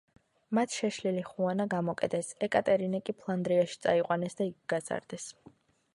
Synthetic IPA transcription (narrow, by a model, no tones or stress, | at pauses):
mat̪ʰʃɛʃliliχuanaɡamɔkʼɛd̪ɛsɛkʼat̪ʼɛɾinɛkʼipʰlˠand̪ɾiaʃi̥t̪sʼa̰iqʼwanɛsd̪aiɡɡaza̰ɾd̪̥ɛs